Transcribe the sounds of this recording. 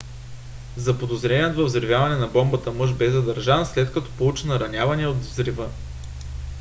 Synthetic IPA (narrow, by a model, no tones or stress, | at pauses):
zɐpod̪ozɾɛniəd̪vəvzɾivʲjavɐnɛnɐbɔmbət̪əmɤʒbɛzɐd̪ɐɾʒanslɛt̪kɐt̪ɔ̥pout͡ʃɛnɐɾɐnʲjavɐniod̪vzɾivɤ